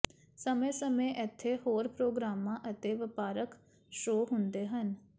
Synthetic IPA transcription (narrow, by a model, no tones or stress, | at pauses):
səmẽːsəmẽːʔɪt̪ʰːeːhoːɾpɾoːɡɾaːmãːʔət̪eːʋɪpaːɾək | ʃoːɦʊnd̪eːɦən